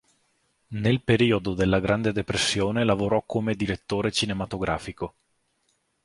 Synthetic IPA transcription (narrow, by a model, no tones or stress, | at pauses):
nelpeɾiːod̪od̪elːaɡɾand̪ed̪epɾesːjoːnelavoɾɔkːomed̪iɾet̪ːoːɾet͡ʃinemat̪oɡɾa̰ːfiko